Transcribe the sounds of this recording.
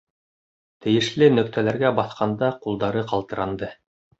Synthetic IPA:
t̪ɘ̆jɘ̆ʃlɘnɵ̆kt̪ʰælæɾɡæbɑθqɑnd̪ɑqulˠd̪ɑɾɤqɑlˠt̪ɤ̆ɾɑnd̪ɤ

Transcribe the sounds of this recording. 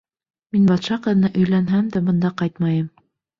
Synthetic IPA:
minbɑt̪ʃɑqɤ̆ðnɤʔɵ̆jlænɦæmd̪æbɤ̆nd̪ɑqɑjt̪mɑjɤm

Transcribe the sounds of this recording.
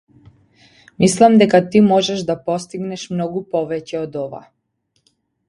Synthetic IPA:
mislˠamd̪ɛkat̪imoʒɛʒd̪apost̪iɡnɛʃmnoɡupoʋɛcɛod̪ɔʋa̰

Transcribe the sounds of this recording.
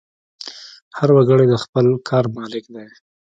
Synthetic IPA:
haɾwaɡəɽed̪əxpəlkʰɑɾmɑlɪkd̪ej

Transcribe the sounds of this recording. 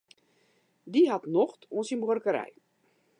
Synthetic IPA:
diɦatnoxtʰoənsinbwərkəɾɛ̰j

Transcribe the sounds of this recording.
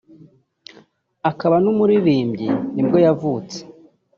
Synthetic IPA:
akaβanumuɾiɾiːmbɟinibɡo̞javuːt͡se̥

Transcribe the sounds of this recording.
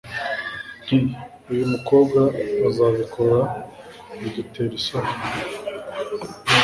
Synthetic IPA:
n̥i | ujumuko̞ːbɡaːzaːβikʰoɾa | iɟite̞ɾisa

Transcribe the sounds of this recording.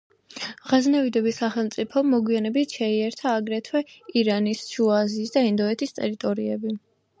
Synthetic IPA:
ʁaznɛvid̪ɛbisaχɛlˠmt̪sʼipʰɔmɔɡwianɛbit̪ʰʃɛiɛɾt̪ʰaːɡɾɛt̪ʰwɛiɾanisʃuaziːsd̪aind̪ɔɛt̪ʰist̪ʼɛɾit̪ʼɔɾiɛbi

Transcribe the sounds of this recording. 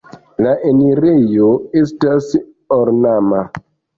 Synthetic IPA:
laʔeniɾejoestas | oɾnama

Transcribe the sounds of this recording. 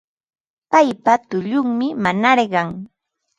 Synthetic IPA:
pajpat̪ʊʎʊŋmɪmanaɾɢɑŋ

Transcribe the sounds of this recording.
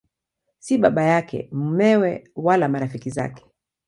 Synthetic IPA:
siɓaɓajakɛ̰mumɛwɛwalamaɾafikiza̰kɛ̥

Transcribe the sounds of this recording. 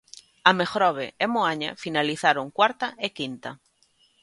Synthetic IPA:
amexɾɔβ̞eemoaɲa̰finaliθaɾoŋkwaɾt̪aʔekint̪a

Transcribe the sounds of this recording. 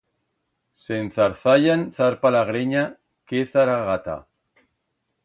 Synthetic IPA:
senθaɾθaʎanθaɾpalaɣɾeɲa | keθaɾaɣat̪a̰

